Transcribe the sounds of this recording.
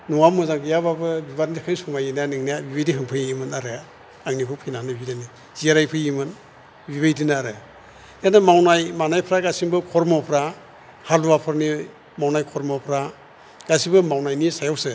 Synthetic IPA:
nuŋamɯzaŋɡɯjababɯbiβatnikʰansuŋajinanɯŋnabibajdiɦɯŋpʰɯimɯnaɾɯ | aŋnikʰɔpʰijnanɯbidani | ziaɾajpʰɯjimɯn | biβajdinaɾɯ | janamawnajmanajpʰɾaɡasiŋbɯkʰɔɾmawpʰɾa | haluwapʰɯɾni | mawnajkʰɔɾmawpʰɾa | ɡ̥asibɯmawnajnisajawsɯ

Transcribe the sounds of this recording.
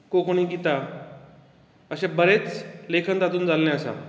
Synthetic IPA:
kokʰoɽ̃iːɡit̪a | əɕẽbəɾet͡slekʰənd̪at̪uːnd͡zalːẽəsa̰

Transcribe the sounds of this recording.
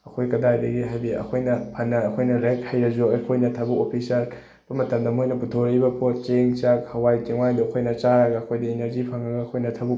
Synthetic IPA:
ɐkʰojkɐdajdɐɡiɦajbiɐ̰kʰojnɐpʰɐnːɐːkʰojnɐɾekhɐjɾɐzuɐkʰojnɐtʰɐbukopʰisɐl | b̥ɐmɐtɐmdɐmojnɐputʰoɾibɐpʰot̚t͡ʃeŋt͡ʃak̚hɐwajkeŋwajdoɐkʰojnɐt͡ʃaɾɐɡɐːkʰojdɐeneɾzipʰɐŋɐɡɐːkʰojnɐtʰɐbuk

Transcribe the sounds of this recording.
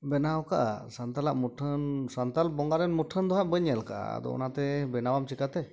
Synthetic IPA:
bɛnawɔka̰ʔa̰sant̪alaʔmuʈʰənsant̪albɔŋɡaɾɛnmuʈʰənd̪ɔɦaʔ̚bəɲəlkaʔa̰a̰d̪ɔ̰ɔ̰nat̪ɛbɛnawamt͡ʃikat̪ɛ

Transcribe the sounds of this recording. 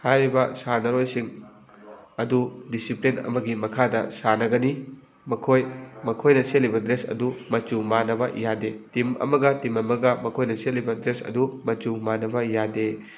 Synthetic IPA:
hajɾibɐsanɐɾojsiŋ | ɐdudisiplinɐ̰mɐɡimɐkʰadɐ̰sanɐɡɐni | mɐkʰojmɐkʰojnɐselibɐdɾesɐ̰dumɐt͡ʃumanɐbɐjadetimɐ̰mɐɡɐtimɐmɐɡɐmɐkʰojnɐselːibɐdɾesɐ̰dumɐt͡ʃumanɐbɐjade

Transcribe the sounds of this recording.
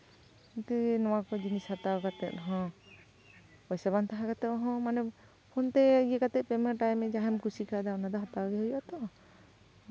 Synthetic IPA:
int̪ɛnɔwakɔd͡ʒinishat̪awkat̪ɛ̰t̪̚ɦɔ̃ | ɔjsabant̪aɦakat̪ɛʔɦɔ̃manɛ | pʰɔnt̪ɛɡiɛkat̪ɛt̪̚pɛmɛʈajmɛd͡ʒaɦɛmkusikad̪aɔnad̪ɔɦat̪awɡɛɦɔjɔʔat̪ɔʔ

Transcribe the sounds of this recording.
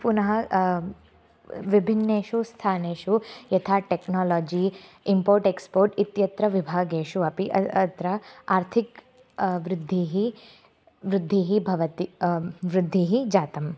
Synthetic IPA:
punɐɦɐ | ʋibʱinːeːʃust̪ʰaːneːʃujɐt̪ʰaːʈeknaːlɔːd͡ʒiː | impoːɾʈekspoːɾʈit̪jɐt̪ɾɐʋibʱaːɡeːʃuɐpiʔɐɐt̪ɾɐaːɾt̪ʰik | ʋɾɪd̪ʱːiɦi | ʋɾɪd̪ʱːiɦibʱɐʋɐt̪iʋɾɪd̪ʱːiɦid͡ʒaːt̪ɐm

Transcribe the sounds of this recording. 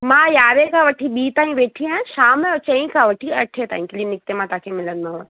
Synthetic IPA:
mãjaːʋekaʋɐʈʰiɓiːt̪aːĩʋeːʈʰiãʃaːmɔt͡ɕɐ̃ĩkaʋɐʈʰiɐʈʰet̪a̰ːɦĩklinɪk̚t̪emãt̪aːkʰemɪlənd̪ãɦo

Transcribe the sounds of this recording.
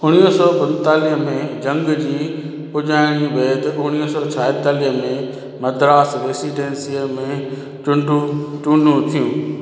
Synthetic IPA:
ʊɽ̃iɦəsɔːpɐ̃nt̪aːliɦəmẽd͡ʑɐ̃ŋɡd͡ʑiː | pʊʄaːɪɽ̃ibeːt̪ʊɽ̃iɦəsɔːt͡ɕʰaːɪt̪aːliɦəmẽ | mɐd̪ɾaːsɾeːsiːɖẽːnsiəmẽ | t͡ɕʊɳɖʱũt͡ɕʊ̃ːɳɖʱũt̪ʰijũː

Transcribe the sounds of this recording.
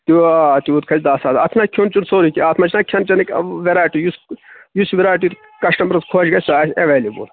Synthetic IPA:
t̪it̪iuːt̪kʰɐt͡ʃʲd̪aːsaːt̪ɐ̰t̪ʰnakʲʰont͡ʃunsoːɾikʲiaːt̪ʰmɐt͡ʃʰnakʲʰɐnt͡ʃɐnikʋeɾaːʈijusjusʋiɾaːʈit̪ | kɐʃʈɐmbɾɐskʰoːt͡ʃɡɐsʲsaːsʲeʋeːlibṵl

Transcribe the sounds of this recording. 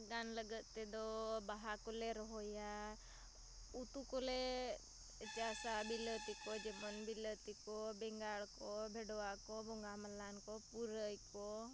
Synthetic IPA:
ɡanləɡət̪ed̪ɔbaɦakɔleɾɔɦoja | ut̪ukole | ət͡ʃasabilət̪ikɔd͡ʒebənbilət̪ikɔbɛŋɡaɭkɔbʱeɖoakɔbɔŋɡaməlːankɔpuɾəjkɔ

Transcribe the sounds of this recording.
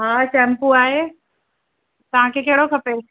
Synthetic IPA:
ɦaːsɛːmpuaːɦeː | t̪ɐʋ̤ãkʰeːkɐɦɪɽokʰɐpeː

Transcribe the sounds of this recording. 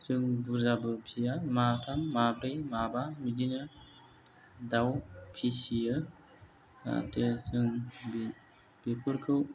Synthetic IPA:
t͡ʃɯŋbuzabɯpʰijamatʰamːabɾejmabamid͡ʒinɯ | d̪awpʰisijə | a̰tesɯŋb | b̥epʰuɾkʰɯw

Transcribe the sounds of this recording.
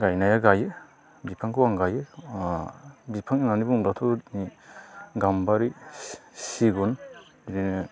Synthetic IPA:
ɡajnajaɡajɯ | bipʰaŋkɯwaŋɡajɯ | bipʰaŋinanibuŋlatʰɔni | ɡambaɾisiɡɔn | biɾinɯ

